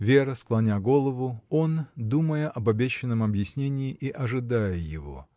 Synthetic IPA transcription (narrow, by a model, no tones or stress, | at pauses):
vʲe̞ɾəsklˠɐnʲaɡo̞lˠəvʊo̞nd̪uməjəʔɐbɐbʲeɕːɪnːəmɐbjɪsʲnʲenʲɪːʔiʔɐʐɨd̪ajəjɪ̰vo̞̰